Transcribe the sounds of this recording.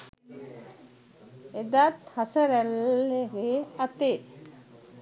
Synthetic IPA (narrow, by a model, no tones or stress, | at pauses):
ed̪at̪hasəɾælːeɡeat̪e